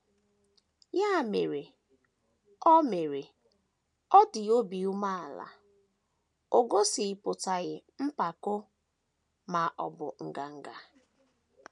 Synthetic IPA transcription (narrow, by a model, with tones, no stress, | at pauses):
ja˦˨me˨ɾe˨ | ɔ˦me˨ɾe˨ | ɔ˦dɪ˨o˦bi˨u˦ma˦a˨la̰˨ | o˨ɡo˦si˨pʊ˨ta˨ɣɪ˨m̩˦pa˨kʊ˦ | ma˨ʔɔ̰˨bʊ̰˨ŋ̩˨ɡa˨ŋ̩˨ɡa˨